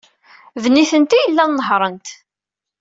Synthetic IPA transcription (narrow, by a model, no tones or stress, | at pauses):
ðniθənt̪ijəlːænnəɦɾˤənt̪